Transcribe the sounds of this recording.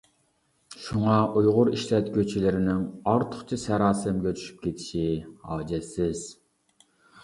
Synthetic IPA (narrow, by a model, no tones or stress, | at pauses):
ʃuŋɑʔujʁʊɾiʃlɛt̪kʲʰøt͡ʃʰilɪɾɪnɪŋɑɾt̪ʰʊ̥χt͡ʃʰisɛɾɑːsɪmɡʲɛt͡ʃ̪ʰy̥ʃy̥p̚kʲʰet̪ʰi̥ʃihɑːd͡ʒɛsɪz̥